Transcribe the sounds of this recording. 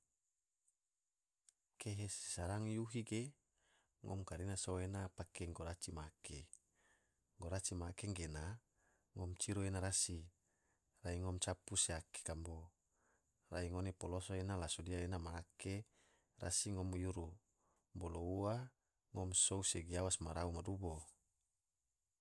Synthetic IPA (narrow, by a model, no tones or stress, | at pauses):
keɦese̥saɾaŋjuɦiɡe | ŋʔɔ̰mkaɾinasoenapakeŋɡoɾat͡ʃimake | ŋɡoɾat͡ʃimaːkeŋɡena | ŋɔmt͡ʃiɾuenaɾasi | raiŋɔmt͡ʃapuseake̥kambo | raiŋonepolosoenalasodiaenamaːke | ra̰siŋɔmjuɾu | mboloua | ŋɔmsouseɡiawasmaɾaumadubo